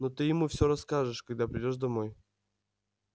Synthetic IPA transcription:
not̪ɨjɪmufsʲoɾɐskaʐɨʂkɐɡ̚d̪apɾʲɪdʲoʐd̪ɐmoj

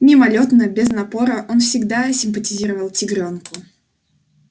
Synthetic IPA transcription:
nʲɪmɐlʲot̪nəbʲɪznɐpo̞ɾəʔo̞nfsʲɪɡd̪asʲɪmpətʲɪzʲiɾəvəlˠtʲɪɡɾʲonkʊ

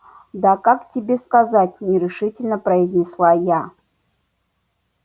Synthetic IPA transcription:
d̪akaktʲibʲe̞skazatʲnʲɪɾʲɪʂɨtʲɪlʲnɐprɐizʲnʲɪslˠaja

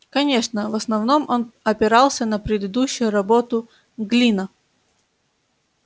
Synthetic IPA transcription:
kɐnʲe̞ʂnəvəsnɐvno̞mʔo̞nɐpʲɪɾɑlˠsʲənəpɾʲɪd̪ɨd̪uɕːʊjʊɾɐbot̪ʊ | ɡlʲinə

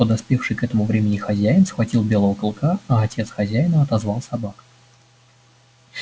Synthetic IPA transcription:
pəd̪ɐspʲefʂɨjkɛt̪əmʊvɾʲemʲɪnʲɪxɐzʲæjɪnsxvɐtʲilˠbʲe̞lˠəvəkɨlˠkʰaɐːtʲe̞t̪sxɐzʲæjɪnəɐt̪ɐzvɑlˠsɐbak

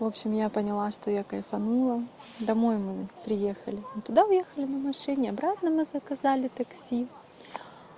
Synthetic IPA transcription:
vo̞pɕɪmjapənʲɪlˠaʂt̪ojakɐjfɐnulˠəd̪ɐmo̞jmɨpɾʲɪje̞xəlʲɪt̪ʊd̪aʊjexəlʲɪnɐmɐʂɨnʲɪɐbɾat̪nəmɨzəkɐzalʲɪt̪ɐksʲi

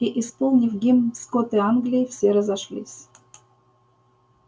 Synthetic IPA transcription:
iʔɪspolˠnʲɪfɡʲimskot̪ɨanɡlʲɪjɪfsʲeɾəzɐʂlʲḭsʲ

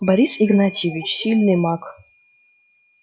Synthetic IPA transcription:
bɐɾʲisiɡnatʰʲivʲit͡ʃsʲilʲnɨmakʰʼ

